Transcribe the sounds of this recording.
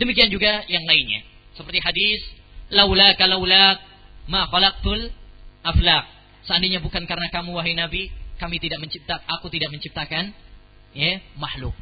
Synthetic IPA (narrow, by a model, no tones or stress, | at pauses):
d̥əmikiand͡ʒuɡajaŋlainɲa̰ | səpərt̪iɦadis | lawlakalawlak̚maxalaq̚t̪ʊlʔaflaq̚ | səandiɲabukankaɾənakamuwaɦajnabikamit̪idaʔməɲt͡ʃip̚t̪aakut̪idaʔ̚məɲt͡ʃip̚t̪akan | jɛmahlʊ̰k̚